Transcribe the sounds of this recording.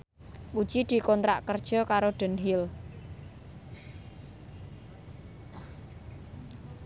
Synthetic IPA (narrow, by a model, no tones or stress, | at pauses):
ɓud̥ʒ̥id̪̥i̤kɔnt̪ɾa̰ʔkərd̥ʒ̥ɔ̤kaɾoɖ̪̥ə̤nɦil